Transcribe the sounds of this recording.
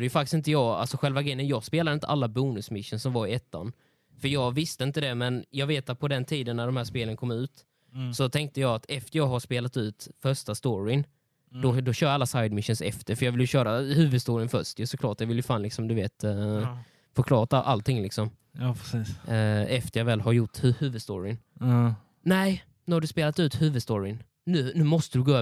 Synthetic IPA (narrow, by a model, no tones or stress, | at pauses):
əjɵfak̚tɪ̥sɪnt̪əjɑːɡa̰lsɔɧɛlvaɡɾɛjənjɑːɡspeːlad̪əɪnt̪ʰəʔalːabuːnɵsmɪʃːənsɔmvaɾɪɛt̪ːa̰n | fœjɑːɡvɪst̪əɪnt̪əd̪ɛmɛnjɑːɡveːt̪at̪̚pʰɔd̪ɛnt̪ʰiːd̪ənːæɖɔmhæːʂpeːlənkʰɔmːʉ̟ːt̪ | sɔt̪ʰɛŋk̚t̪əjɑːɡat̪ɛft̪əɾjɑːɡɦaʂpeːlat̪ʉ̟ːt̪fœʂtast̪oːɾɪ | d̪ɔd̪ɔɕœːɾalːasajd̪mɪʃːənsɛ̰ft̪əɾfœjɑːvɪljɵɕœːɾahʉ̟ːvɵd̪st̪oːɾɪənfœʂt̪jəsɔkʰlɑːʈjɑvɪlːjɵfaːnlɪksɔmd̪ɵveːt̪ | fœɾkʰlɑːɾat̪aʔa̰lt̪ʰːɪŋːlɪksɔm | ɑpiːsɛft̪əɾjɑːvɛːlɦaɾjʊʈːhʉhʉ̟ːvɵd̪st̪o̰ːɾɪn | nɛɪ | nʉ̟ːhaɖɵspeːlat̪ʉ̟ːt̪hʉ̟ːvɵd̪st̪oːɾɪn | nʉ̟ːnʉ̟ːmɔst̪əd̪ɵɡoːøː